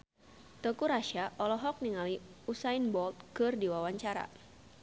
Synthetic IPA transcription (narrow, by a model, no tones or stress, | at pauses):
t̪ɔkuɾaʃaʔɔlɔɦɔk̚niŋaliusainbɔlt̪̚kɨrdiwawaɲt͡ʃaɾa̰